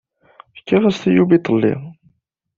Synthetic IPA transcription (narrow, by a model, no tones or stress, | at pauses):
əkːiʁəst̪ijubit̪ˤəlːḭ